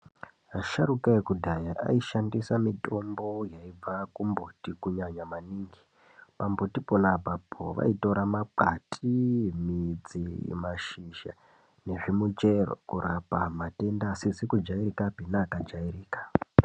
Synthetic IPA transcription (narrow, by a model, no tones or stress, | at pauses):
aʃaɾukaekudʱajaʔa̰iʃandisamito̞mbo̞jaib͡vakumbotikuɲaɲamaniːŋɡi | pambotiponabʱabʰʱo̰ʋa̰ito̞ɾamak͡patʰimid͡zimaʃiʒa̰ | ne̞ʐimut͡ʃe̞ro̰kuɾapamate̞ndaːsid͡zikud͡ʒairikabʱinaːkad͡ʒairiːkḁ